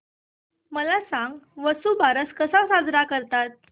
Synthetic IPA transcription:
məlasãŋɡʋəsubaɾəskəsasad͡zɾakəɾt̪at̪̚

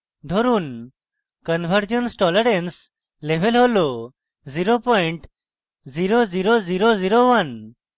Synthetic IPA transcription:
d̪ʱoɾun | kənbʱəɾd͡ʒənsʈɔləɾens | lebʱɛlɦolo | ziɾopɔɳʈ | ziɾoziɾoziɾoziɾowan

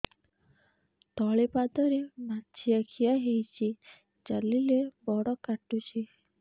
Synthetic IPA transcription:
t̪ɔɭepad̪ɔɾematːt͡ʃʰiakʰijaɦejt͡ʃʰi | d͡ʒalilebɔɽɔkaʈut͡ʃʰi

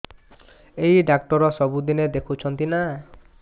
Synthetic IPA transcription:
ejɖakʈɔɾɔsɔbud̪ined̪ekʰut͡ʃʰɔnt̪ina

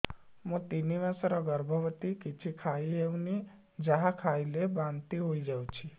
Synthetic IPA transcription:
mũt̪iniʋasəɾɔɡəɾbʱəʋət̪ikit͡ʃʰikʰaieʋni | d͡ʒaɦakʰailebãnt̪iɦoid͡ʒawt͡ʃʰi

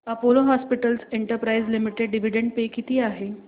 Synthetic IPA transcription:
əpoloɦɔspiʈəlseɳʈəɾpɾaizlimiʈeɖɖiʋ̤iɖeɳɖ̚pekit̪ʰiːaɦe

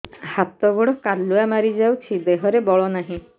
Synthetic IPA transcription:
hat̪ɔɡɔɽɔkalːuamaɾid͡ʒawt͡ʃʰid̪eɦɔɾebɔɭɔnaɦĩ

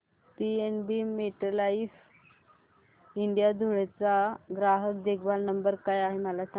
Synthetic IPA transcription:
pienbimeʈəlais | iɳɖijad̪ʱuɭet͡saɡɾaɦək̚d̪ekʰbalnəmbəɾkajaɦeməlasa

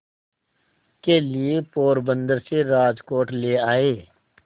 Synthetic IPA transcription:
keliepoːɾbə̃nd̪əɾseɾaːd͡ʒkoːʈleːaːeː

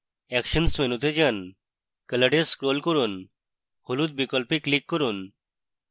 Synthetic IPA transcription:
ɛkʃənsmenut̪̬ed͡ʒan | kələɖeskɾolkoɾun | holut̪̚bikɔlpiklikːɔɾun

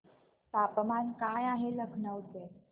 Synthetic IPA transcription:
tapmankajaɦeləɡʱɳəwt͡s̪e

